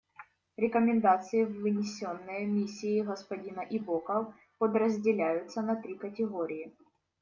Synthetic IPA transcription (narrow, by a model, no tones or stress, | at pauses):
ɾʲɪkəmʲɪnd̪at̪sɨjɪvːɨnʲɪsʲonːəjəmʲisʲːɪɪɣɐspɐdʲinɐʔibokə | pəd̪rəzʲdʲɪlʲæjʊt̪sənɐt̪ɾʲikətʲɪɣoɾʲɪjɪ